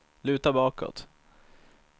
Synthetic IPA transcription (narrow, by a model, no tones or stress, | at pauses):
lʉ̟ːt̪abɑːkɔ̰t̪